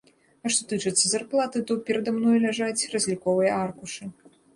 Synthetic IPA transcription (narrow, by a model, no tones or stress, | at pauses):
ɐʂt̪ɔt̪ɨt͡ʂɨt̪sːɐzarplˠat̪ɨt̪ɔpʲɛɾɐd̪amnɔjulʲaʐat͡sʲrɐzʲlʲikɔvɨjɐarkuʂɨ